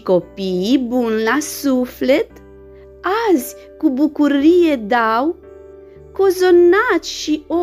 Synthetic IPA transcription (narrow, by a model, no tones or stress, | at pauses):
ko̞pibunlasufle̞t̪ | azʲ | kubukuɾije̞d̪aw | ko̞zo̞nat̪sʲʃio